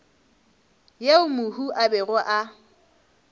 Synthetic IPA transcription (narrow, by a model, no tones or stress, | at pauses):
jeʊmʊhuʔabɛɣɔʔa